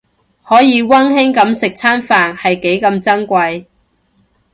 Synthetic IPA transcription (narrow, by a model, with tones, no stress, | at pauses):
hɔː˨˥jiː˨˧wɐ˥nhɪ˥ŋkɐ˨˧˥msɪ˨k̚t͡sʰaː˥nfaː˨nhɐ˨jke˨˥jkɐ˧mt͡sɐ˥ŋkʷɐ˧j